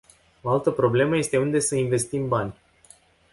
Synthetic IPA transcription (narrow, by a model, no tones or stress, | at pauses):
oalt̪əpɾo̞ble̞məje̞st̪e̞und̪e̞səinve̞st̪imbanʲ